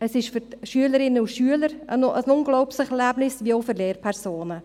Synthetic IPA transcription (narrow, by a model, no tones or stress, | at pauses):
əsɪʃfʏɾʃyələɾɪnːəʊʃyːələɾənəsnʊŋɡlɔʊpsəχɛrlæbnɪsʋiəoʊfəɾleːɾpʰɛɾsoːnə